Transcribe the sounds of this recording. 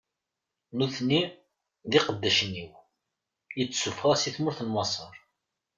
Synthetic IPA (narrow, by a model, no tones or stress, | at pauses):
nuθnːi | ðiqəd̪ːæʃnːiw | jət͡sːsufʁˤɑsiθmʊɾθənwɑsˤəɾˤ